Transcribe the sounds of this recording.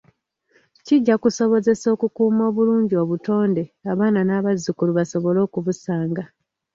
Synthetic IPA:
ciɟːakuso̞βo̞ze̞so̞ːkukuːmo̞ːβuluːɲɟio̞ːβuto̞ːnde̞aβaːnanaːβazːukuluβaso̞βo̞lo̞ːkuβusaːŋɡa

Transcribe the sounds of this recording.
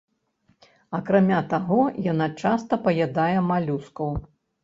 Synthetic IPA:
ɐkɾamʲat̪aɣɔjanat͡ʂast̪ɐpɐjad̪ajɛmalʲuskɐw

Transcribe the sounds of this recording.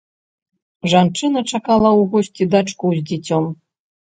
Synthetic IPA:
ʐant͡ʂɨnɐt͡ʂakalˠɐwɣɔsʲt͡sʲid̪at͡ʂkuzʲd͡zʲɛt͡sʲɔm

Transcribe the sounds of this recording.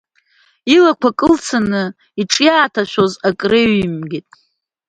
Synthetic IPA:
ilakʷʰakʼɨlt͡sʰanɨ | iʈ͡ʂʼjaːtʰaʃʷᶣozakʼreɥimɡʲitʼ

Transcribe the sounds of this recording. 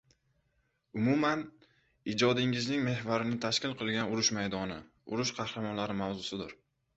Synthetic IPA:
ʊmʊman | ɪd͡ʒɒd̪ɪŋɪznɪŋme̞hvaɾɪnɪt̪ʰaʃkʲɪlˠqʰɨlˠɡʲanʊɾʊʃmajd̪ɒnɪ | ʊ̰ɾʊʃqʰɑhɾamɒnlaɾɪmawzʊsɪd̪ɪɾ

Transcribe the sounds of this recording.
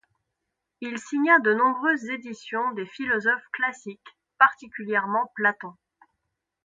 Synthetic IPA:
ilsiɲad̪ənɔ̃bʁøzːed̪isjɔ̃d̪efilɔzɔfklasik | paʁt̪ikʲyljɛʁmɑ̃plat̪ɔ̃

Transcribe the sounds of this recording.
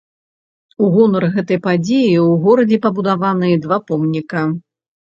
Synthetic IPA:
uɣɔnɐrɣɛt̪ɐjpad͡zʲejiwɣɔɾɐd͡zʲɛpɐbud̪avanɨjd̪vapɔmnʲikɐ

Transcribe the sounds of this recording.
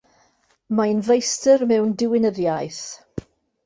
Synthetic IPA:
majnvejstərmɛwndɪwɪnəðjajθ

